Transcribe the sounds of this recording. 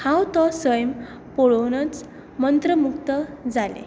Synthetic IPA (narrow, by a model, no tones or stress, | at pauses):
hãwt̪ɔsəjm | pɔɭonət͡s | mənt̪ɾəmukt̪əd͡zalḛ